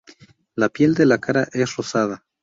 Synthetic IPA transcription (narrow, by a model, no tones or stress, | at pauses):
lapje̞ld̪e̞lakaɾaʔe̞sro̞sað̞a